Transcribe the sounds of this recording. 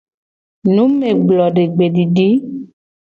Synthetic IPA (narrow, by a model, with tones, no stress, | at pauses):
nũ˨˦me˨ɡ͡blɔ˨ɖe˨ɡ͡be˨ɖi˨ɖi˨˦